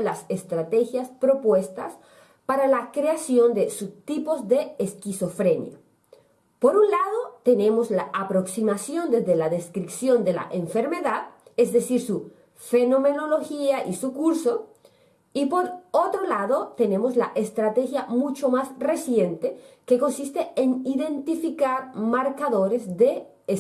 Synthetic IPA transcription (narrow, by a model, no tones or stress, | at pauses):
lasest̪ɾat̪e̞xjaspɾo̞pwe̞st̪as | paɾalakɾeasjo̞nd̪esut̪ipo̞zðe̞ːskiso̞fɾe̞nj̰a̰ | po̞ɾunlaðo̞t̪e̞ne̞mo̞zlaʔapɾo̞ksimasjo̞nd̪e̞zðe̞laðe̞skɾipsjo̞nd̪e̞la̰ʔeɱfe̞ɾme̞ðaðezðe̞siɾsu | fe̞no̞me̞no̞lo̞xiaʔisukuɾso̞ | ipo̞ɾot̪ɾolaðot̪e̞ne̞mo̞zla̰ʔest̪ɾat̪exjamut͡ʃo̞masre̞sje̞nt̪e̞ke̞ko̞nsist̪e̞eniðe̞nt̪ifikaɾmaɾkaðo̞ɾezðe̞